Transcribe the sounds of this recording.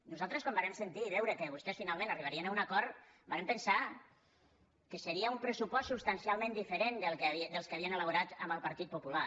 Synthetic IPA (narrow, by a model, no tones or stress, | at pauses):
nuzalˠt̪ɾəskɔmbaɾɛmsənt̪iːβɛwɾəkəβust̪ɛsfinalˠmẽnəriβ̞aɾiənaunakɔɾ | baɾempənsa | kəsəɾiəumpɾəsupɔssupst̪ansialˠmẽnd̪ifəɾend̪əlˠkβid̪əlˠskəaβ̞iənələβ̞uɾat̪ə̰mbəlˠpɐɾt̪it̪̚pupula